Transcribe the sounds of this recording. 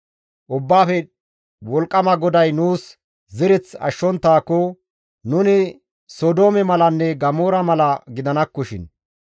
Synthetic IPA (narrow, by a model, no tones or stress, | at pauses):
ʔʊbːaːfɛ | wɔlkʼːɐmɐɡɔd̪ɐjnuːs | zɪɾɛt͡sɐ̰ʃːɔnt̪ːaːkːɔ | nʊnɪ | sod̪oːmɛmɐlɐnːɛɡɐmoːɾɐmɐlɐɡɪd̪ɐnɐkːɔʃɪ̰n